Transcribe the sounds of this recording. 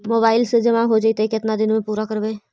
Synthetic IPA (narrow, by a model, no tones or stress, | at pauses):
moːbaːɪlsed͡ʒɐmaɦod͡ʒait̪ekɪt̪nad̪ɪnmẽpuːɾakəɾbeː